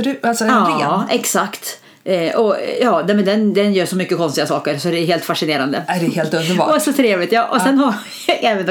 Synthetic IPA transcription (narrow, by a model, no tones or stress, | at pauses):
ɖʉalsɔɑɛksakt̪ | ʔɔjɑːnɛmɛnd̪ɛnd̪ɛnjøːʂɔmʏkːəkʰɔnst̪ɪɡasɑːkəɾsɔd̪ɛɛɾɦeːlt̪faʂɪneːɾand̪əædɛheːlt̪ɵnd̪əɔɛsɔt̪ʰɾeːvlɪt̪jɑːʔɔsɛnha | ɑɡɛːvən